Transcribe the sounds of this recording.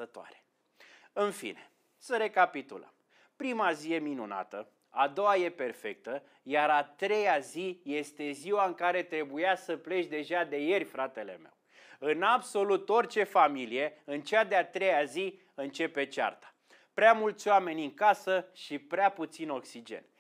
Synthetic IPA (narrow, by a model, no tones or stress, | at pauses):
ət̪oa̰ɾe̥ | ɨnfḭne̥ | səɾe̞kapit̪ṵlə̰m | pɾimazije̞minuna̰t̪ə | ad̪o̞waje̞pe̞rfe̞k̚t̪ə | jaɾat̪ɾe̞jazije̞st̪e̞ziwaɨŋkaɾe̞t̪ɾe̞bujasəple̞ʃʲd̪e̞ʒad̪e̞je̞rʲfɾat̪e̞le̞̰me̞̰w | ɨnabso̞lut̪o̞rt͡ʃe̞familije̞ɨnt͡ʃad̪eat̪ɾe̞jazi | ɨnt͡ʃe̞pe̞t͡ʃa̰rt̪ḁ | pɾeamult̪sʲoame̞nʲɨŋkasəʃipɾeaput̪sino̞ksid͡ʒe̞̰nʲ